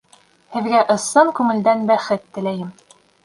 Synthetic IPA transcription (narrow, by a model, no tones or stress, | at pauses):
hɘ̆ðɡæʔɤ̆sɤɴkʉmɘ̆ld̪ænbæχɘt̪ːɘ̆læjɘm